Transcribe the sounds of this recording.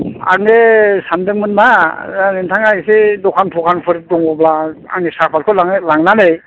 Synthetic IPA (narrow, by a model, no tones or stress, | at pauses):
a̰ŋesandɯŋmɯnmaanentʰaŋaɡisedɔkʰanpʰɔkʰanpʰɯɾ̚dɔŋɔblaa̰ŋesak̚pʰaɾkʰɯlaŋlaŋnanej